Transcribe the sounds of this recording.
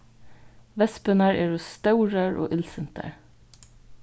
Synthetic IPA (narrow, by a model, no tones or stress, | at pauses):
ʋɛspənəɹeːɹoːst̪ɑʉɹəɹʔo̰ːʔɪlsənt̪ʰə̰ɹ